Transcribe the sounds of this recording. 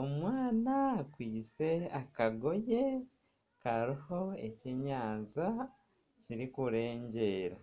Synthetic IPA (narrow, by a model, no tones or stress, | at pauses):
omwaːnakwiːt͡se̞akaɡo̞je̞ | kaɾiho̞e̞ceɲaːnza | ciɾikuɾe̞ːɲɟe̞ːɾa